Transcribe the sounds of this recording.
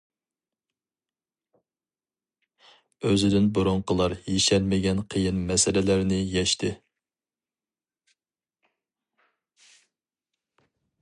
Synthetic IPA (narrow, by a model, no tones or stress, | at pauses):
øzɪd̪ɪnbuɾʊɴqʰəlˠɑɾjeʃɛlmɪɡʲɛnqʰəjɨnmɛsɪlɪlæɾnɪjɛʃt̪ʰɪ